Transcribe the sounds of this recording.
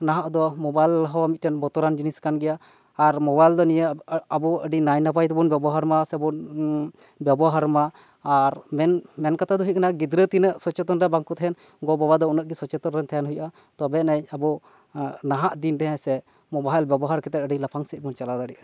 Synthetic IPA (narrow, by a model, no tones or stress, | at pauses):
naɦaʔd̪ɔmɔbajlɦɔwamit̪̚ʈɛnbɔt̪ɔɾand͡ʒiniskanɡɛjaː | ɾmɔbajld̪ɔnijəabuəɖinajnapajt̪ɔbunbjɛbɔɦaɾmasɛbun | bjabɔɦaɾmaː | ɾmɛnmɛnkat̪ʰad̪ɔɦiʔ̚kanaɡid̪ɾət̪inəʔsɔt͡ʃɛt̪ɔnɾabaŋkɔt̪ɦɛn | ɡɔbabad̪ɔunəʔɡisɔt͡ʃɛt̪ɔnɾɛnt̪ʰajanɦujʔa | t̪ɔbɛnajabɔ | naɦaʔd̪indɛɦɛ̃sɛ | mɔbajlbjɛbɔɦaɾkɛt̪ɛt̪̚əɖilapʰaŋsɛt̪̚ˀbunt͡ʃalad̪aɖiʔ